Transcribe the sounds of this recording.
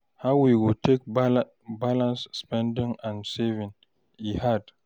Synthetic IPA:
hawwiwɪtʰek̚ | balãnsːpɛ̃ndĩŋãnsɛvĩŋ | ihad

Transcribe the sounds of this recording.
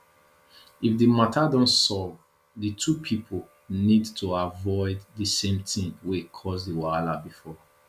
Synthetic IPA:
ifdimatʰadɔ̃nsɔv | ðitʰupʰipʰol | nidtʰuavɔɪdðisẽmtĩŋwekʰɔzdewaalabifɔ

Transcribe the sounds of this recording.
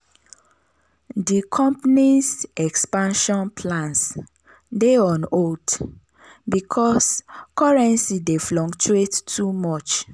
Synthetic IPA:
dikʰɔ̃mpnisɛkspãnʃɔ̃npʰlãns | deɔ̃not | bikʰɔskɔɹɛ̃nsideflɔ̃kt͡ʃuettʰumɔt͡ʃ

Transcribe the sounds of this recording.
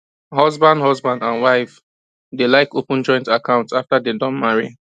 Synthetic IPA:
ɦɔzbãndɦɔzbãndãnwaɪf | delaɪkopʊ̃n̩d͡ʒɔ̃jɪ̃ntakʰãʊ̃ntaftadedɔ̃nmaɹḭ

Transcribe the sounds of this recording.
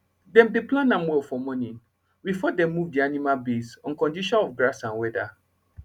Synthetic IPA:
dɛ̃mdeplãnãmwɛlfɔmɔ̃nĩn | bifɔdɛ̃mːuvdianimalbesɔ̃nkɔ̃ndiʃɔ̃nɔfɡɹasãnwɛda

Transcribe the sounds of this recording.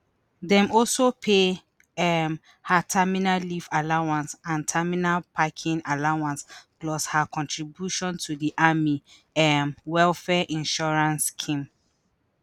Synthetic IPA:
dɛ̃mɔlsopʰe | ɛm | hatʰɛminalifalawãnsãntʰɛminalpʰakʰĩŋalawãnsklɔshakʰɔ̃ntʰɹibjuʃɔ̃ntʰudiʔami | ɛmwɛlfɛʔĩnʃɔɹãnskʰĩm

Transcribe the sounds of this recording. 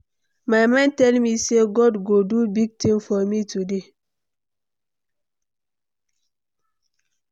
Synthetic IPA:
majmãntɛlmiseɡɔdɡodubiɡ̚tiŋfɔmitude

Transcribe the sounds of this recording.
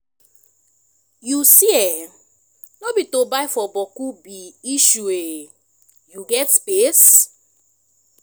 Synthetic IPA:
jusiɛ | nobitobajfɔbɔkubiiʃue | juɡɛtspes

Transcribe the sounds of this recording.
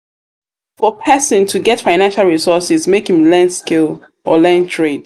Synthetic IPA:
fɔpʰɛsə̃ntʰuɡɛtfaɪnãnʃalˠɹisɔsɪzmekĩmlɛ̃ndskil | ɔ̰lɛ̃ntʰɹed̥̚

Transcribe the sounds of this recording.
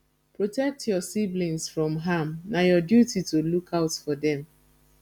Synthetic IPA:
pɹotɛk̚tʰjɔsiblĩnsfɹɔ̃mɦamnajɔdjutitulukʰaʊtfɔdɛ̃m

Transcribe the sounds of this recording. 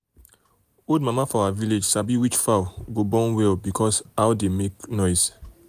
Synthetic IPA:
od̚mamafɔawaviled͡ʒsabiwit͡ʃfawɡobɔ̃nwɛlbikʰɔsawdemeknɔɪs

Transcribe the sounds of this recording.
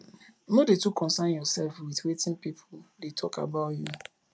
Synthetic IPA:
modetukʰɔ̃nsanjɔsɛlfwiðwetɪ̃npipʰʊdetʰɔka̰baʊtju

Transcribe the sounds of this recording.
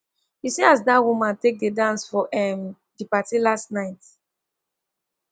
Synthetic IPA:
isiazdawumãntek̚dedãnsfɔʔɛm | dipatilastnaɪt

